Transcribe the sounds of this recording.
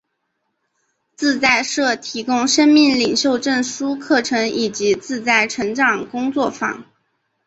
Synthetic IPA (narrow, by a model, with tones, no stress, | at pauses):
t͡sɹ̩˥˧t͡sa˥˧ɪʂɤ˥˩t̪ʰi˧˥kʊ˥ŋʂə˥nmi˥˩ŋli˨˩ŋɕjo˥˧ʊʈ͡ʂə˥˩nʂu˥kʰɤ˥˩ʈ͡ʂʰɤ˧˥ŋi˨˩t͡ɕi˧˥t͡sɹ̩˥˧t͡sa˥˩ɪʈ͡ʂʰɤ˧˥ŋʈ͡ʂɑ˨˩ŋkʊ˥ŋt͡swɔ˥˩fɑ̰˨˩˦ŋ